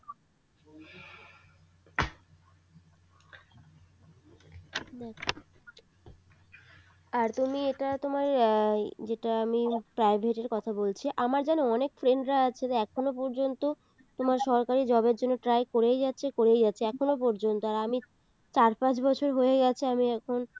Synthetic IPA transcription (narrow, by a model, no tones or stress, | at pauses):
aɾt̪umieʈat̪omaɾ | d͡ʑeʈaamipɾajbʱeʈeɾkɔt̪ʰabolt͡ɕʰiʔamaɾd͡ʑanoɔnekfɾeɳɖɾaat͡ɕʰet̪aɛkʰonopɔɾd͡ʑont̪o | t̪omaɾʃɔɾkaɾid͡ʑɔbeɾd͡ʑonːoʈɾajkoɾejd͡ʑatːɕʰekoɾejd͡ʑatːɕʰeɛkʰonopɔɾd͡ʑont̪oaɾami | t͡ɕaɾpãt͡ɕbɔt͡ɕʰoɾɦojeɡɛt͡ɕʰeamiɛkʰon